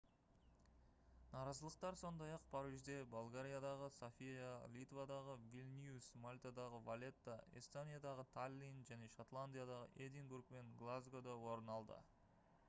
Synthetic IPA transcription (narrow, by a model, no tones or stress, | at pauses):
nɑɾɑzəlˠəq̚t̪ɑɾso̞nd̪ɑjɑq̚pʰɑɾiʒd̪e̞bolˠɡaɾʲijad̪ɑʁəsofʲijalʲit̪vad̪ɑʁəvʲilʲnʲjusmalʲt̪ad̪ɑʁəvalʲe̞t̪ːaʔḭst̪onijad̪ɑʁət̪ʰalʲːinʒæne̞ʃot̪lˠanʲd̪ʲijad̪ɑʁə̰ʔed̪inburk̚pe̞ŋɡlˠazɡod̪ɑwo̞ɾənɑlˠd̪ə̰